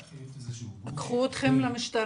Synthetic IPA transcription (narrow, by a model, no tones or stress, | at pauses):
akχuot̪χemlamiʃt̪aɾ